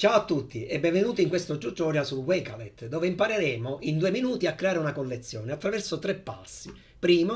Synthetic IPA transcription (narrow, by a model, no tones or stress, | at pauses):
t͡ʃaːwat̪ːut̪ːiɛbːɛɱvenuːt̪iŋkwest̪od͡ʒut̪ːɔːɾjasulwɛkalɛt̪ːd̪ɔːveimpaɾeɾɛːmoʔind̪uːeminuːt̪iakːɾeaːɾeunakolːet̪sːjɔːneat̪ːɾavɛrsot̪ɾɛpːa̰sːi | pɾiːmo